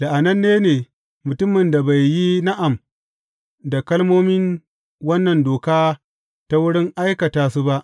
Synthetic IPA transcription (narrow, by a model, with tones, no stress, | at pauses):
la˨ʔa˨nɐ˦nːeː˦neː˨ | mʊ˨tʊ˦mːɪ˨nda˨ba˨jːi˦na˦ʔa˨m | da˨kɐ˦lmoː˦mɪ˦n | wɐ˦nːɐ˨ndoː˨kaː˦ | ta˦wʊ˦ɽɪ˦ŋʔa˦jkɐ˨taː˨su˦ba˦ʔ